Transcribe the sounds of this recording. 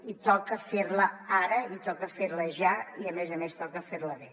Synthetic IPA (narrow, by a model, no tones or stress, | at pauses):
it̪ɔkəfeɾləaɾəit̪ɔkəfeɾləʒaiəmezəmest̪ɔkəfeɾləβe